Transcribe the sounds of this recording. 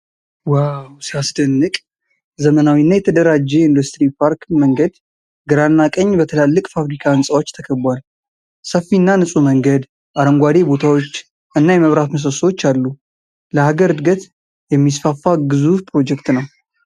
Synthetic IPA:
wawsijasd̪ənːɨkʼ | zəmənawinːajɛt̪ʰəd̪əɾad͡ʒːɛind̪ust̪ɾipʰaɾkməŋɡəd̪ | ɡɨɾanːakʼəɲːbət̪ʰəlalːɨkʼfafɾikʰaɨnsʼawo̞t͡ʃːt̪ʰəkʰəbwal | səfːinːanɨsʼuməŋɡəd̪ | ʔaɾəŋɡʷad̪e̞bo̞t̪ʰawot͡ʃː | ʔɨnːajɛməβɾat̪məs̬əswot͡ʃːalːu | ləhaɡəɾɨd̪ɡət̪ | jɛmːisfafːaɡɨzufpʰɾo̞d͡ʒɛkt̪nəw

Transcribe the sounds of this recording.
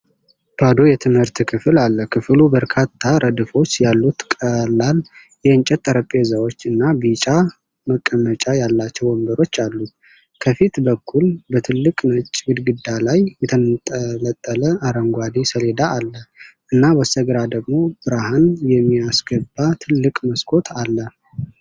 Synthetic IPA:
b̥ad̪ojɛt̪ʰɨmhɨɾt̪kʰɨfɨlalːəkʰɨflubəɾkʰat̪ʰːaɾʔəd̪ɨfo̞t͡ʃːjalːut̪kʼəlːal | jɛɨnt͡ʃʼɛt̪ʼːəɾəpʼezawo̞t͡ʃːɨnːabit͡ʃʼa | məkʼːəmːət͡ʃʼajalːat͡ʃːɛwwɔmbəɾo̞t͡ʃːalːu | kʰəfit̪bəkʰːulbət̪ʰɨlːɨkʼnət͡ʃʼːɡɨd̪ɡɨd̪ːalajːɛt̪ʰənt̪ʼələt̪ʼːələaɾəŋɡʷad̪isəle̞d̪aːlːəʔɨnːawəsəɡɨɾad̪əɡmo̞b̥ɨɾahanjɛmːiasɡəbːat̪ʰɨlːɨkʼməskʰo̞t̪ʰalːə

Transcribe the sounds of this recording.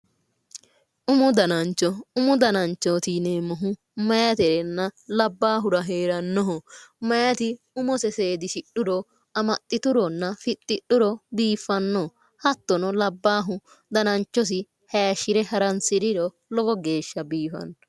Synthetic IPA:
ʔʊmʊd̪ɐnɐnt͡ʃːɔʊmʊd̪ɐnɐnt͡ʃːɔt̪ineːmɔɦʊ | mɐjɐt̪ɛɾɛnːɐlɐbːaːɦʊɾɐɦeːɾɐnːɔɦɔmɐjɐt̪ɪ | ʊmɔsɛseːd̪ɪʃɪɗʊɾɔ | ɐmɐt̪ʼːɪt̪ʊɾɔnːɐfɪt̪ʼːɪɗʊɾɔbiːfːɐnːɔ | hɐt̪ːɔnɔlɐbːaːɦʊ | d̪ɐnɐnt͡ʃːɔs̬ɪ | hɐjɐʃːɪɾɛhɐɾɐnsɪɾɪɾɔ | lɔɡɔɡe̞ːʃːɐbiːfɐ̰nː

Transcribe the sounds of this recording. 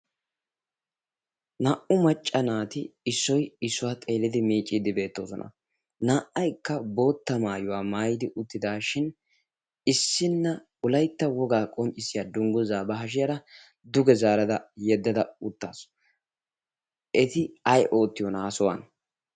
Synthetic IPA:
nɐːʔʊmɐt͡ʃʼːɐnaːt̪ɪɪsːɔjɪsːʊwaːt̪ʼe̞ːlɪd̪ɪmiːt͡ʃʼːɪd̪ɪbe̞ːt̪ːo̞ːsɔ̰nʔɐ̰ | naːʔɐjkːɐbo̞ːt̪ːɐmaːjʊwaːmaːjɪd̪ɪʔʊt̪ːɪd̪aːʃɪn | ɪsːɪnːɐ | ʊlɐjt̪ːɐwɔɡaːkʼɔmt͡ʃʼɪsːɪjad̪ʊŋɡʊzaːbɐɦɐʃ̬ɪjɐɾɐ | d̪ʊɡɛzaːɾɐd̪ɐjɛd̪ːɐd̪ɐʊt̪ːaːs | ʔɛt̪ɪɐjʔo̞ːt̪ːɪjɔnaːsɔwɐ̰n

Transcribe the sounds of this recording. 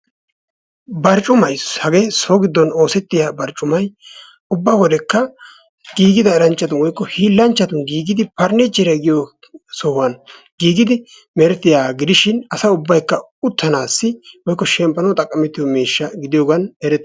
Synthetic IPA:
bɐɾt͡ʃʼʊmɐjshɐɡeːsoːɡɪd̪ːɔno̞ːsɛt̪ːɪjaːbɐɾt͡ʃʼːʊmɐj | ʊbːawɔd̪ɛkːɐ | ɡ̥iːɡɪd̪ɐɛɾɐnt͡ʃʼːɐt̪ʊnwɔjkːɔhiːlːɐnt͡ʃːɐt̪ʊnɡiːɡɪd̪ɪpɐɾnɛd͡ʒɛɾɛɡɪjo | sɔhʊwɐn | ɡiːɡɪd̪ɪ | mɛɾɛt̪ːɪjaːɡɪd̪ɪʃɪnɐsɐʊbːɐjkːɐ | ʊt̪ːɐnaːsːɪwɔjkːɔʃɛmpːɐnɐt̪ʼɐkʼːɐmɛt̪ːɪjomeːʃːɐɡɪd̪ɪjoːɡɐnɛɾɛt̪ː

